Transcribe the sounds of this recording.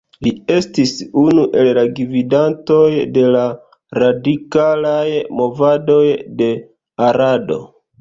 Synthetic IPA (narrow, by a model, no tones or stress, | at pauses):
lie̞stisunuʔe̞llaɡividanto̞jde̞la | ɾadikalajmo̞vado̞jde̞ | aɾado̞̰